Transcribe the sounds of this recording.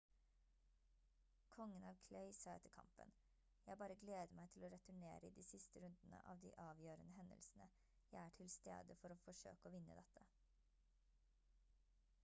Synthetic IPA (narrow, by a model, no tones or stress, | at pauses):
kʰɔŋːənɑːʋkʰlœʏsɑːɛt̪ʰːəkʰɑ̰mpə̰n | jæɪbɑːɾəɡleːd̪əmæɪt̪ʰɪloːɾɛt̪ʉɳḛːɾəiːd̪iːsɪst̪əɾʉnd̪nə̰ʔɑ̰ːʋd̪ḭːʔɑːʋjøːɾənəɦɛnd̪ə̰lsn̩ə | jæɪæːʈʰɪlst̪ḛːd̪əfɔɾoːfɔʂø̰ːkəoːʋɪnːə̰d̪ɛt̪ʰə